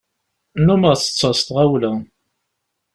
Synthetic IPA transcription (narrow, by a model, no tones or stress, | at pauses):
numəʁθə̥t͡sːɑst̪ʁawlæ